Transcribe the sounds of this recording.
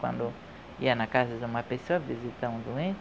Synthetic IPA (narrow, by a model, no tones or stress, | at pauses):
kwã̰nd̪u | ianakazizãmapesoavizit̪ãũzuẽ